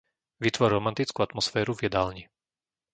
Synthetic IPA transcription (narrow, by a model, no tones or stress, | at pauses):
ʋit̪ʋɔɾɾɔmant̪it͡skuat̪mɔsfɛːɾuvjɛd̪aːlɲi